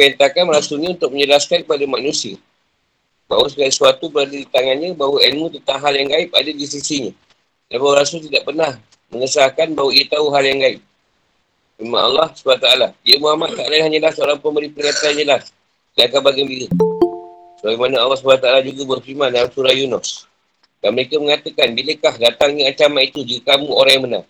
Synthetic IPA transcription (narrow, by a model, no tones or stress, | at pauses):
pant̪akanɾasulɲaunt̪ʊk̚mə̃ɲəlaskankəpadamanusiə | ba̰wasəkalisuwat̪ubəɾadadit̪aŋanɲabaɦwaɛlmũt̪ənt̪aŋɦaljaŋɡaɪp̚adadisisiɲa | danbawaɾasult̪idaʔpərnah | məŋəsahkanbaɦwaiat̪auɦaljaŋɡaɪp̚ | mema̰na̰lːɑhsubanat̪aalaijamuɦamat̪ːa̰ʔlalaɲəlasəoɾaŋpəməɾipərkat̪ajaɲd͡ʒəlas | dakabaɡambiɾə | səbaɡamanaalːɑhsubanat̪aalad͡ʒuɡabərfirmãndalamsuɾajunʊs | danməɾekaməŋat̪əkanbiləkahdat̪aŋɲaaɲt͡ʃamanit̪ud͡ʒikakamũoɾaŋjaŋməna̰ŋ